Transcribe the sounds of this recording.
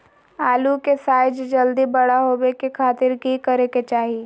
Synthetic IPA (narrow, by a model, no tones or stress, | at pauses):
aːlukesaːɪd͡ʒd͡ʒɐld̪ibɐɽaɦoːbekekʰaːt̪ɪɾkikɐɾeket͡ʃaːɦi